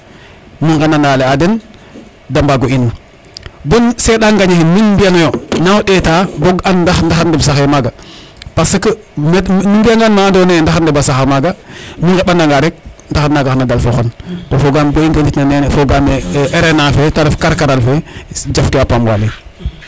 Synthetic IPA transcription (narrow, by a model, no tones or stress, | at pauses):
miŋɡananaleaden | dambaɡoinu | bonseɗaŋɡaɲehinminmbianojonawoɗetaboɡandaxndaxadibsaxemaɡa | pasəkə | mmimbiaŋɡanmandonendaxandebasaxamaɡamiŋɡeɓandaŋɡaɾek̚ndaxanaɡaxnadalfoxontofoɡambeintelitnanenfoɡameʔeɾenafetalefkaɾkaɾalfed͡ʒafkiapamwa̰le